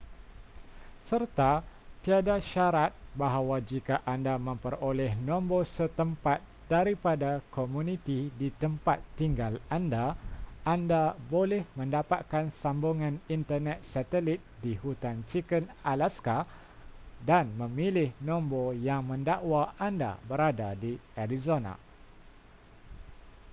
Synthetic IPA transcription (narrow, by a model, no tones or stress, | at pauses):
sərt̪at̪iadaʃaɾat̪̚baɦawad͡ʒikaʔandamə̃mpərolɛhnɔ̃mbosət̪əmpat̪̚daɾipadakomũnit̪idit̪əmpat̪ːiŋɡalandaandabolɛhmə̃ndapat̪̚kansambuŋãnint̪ərnɛt̪̚sat̪ɛlit̪̚dihut̪ant͡ʃikənalaska | danmə̃milɪhnɔ̃mbojaŋmə̃ndaʔwaanda̰bəɾadadiaɾizona̰